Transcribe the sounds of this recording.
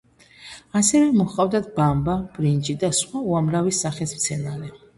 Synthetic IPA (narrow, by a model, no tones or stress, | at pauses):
asɛvɛmɔχʼavd̪at̪̚bambab̥ɾind͡ʒid̪asχwauamɾavisaχɛsmt̪sʰɛnaɾɛ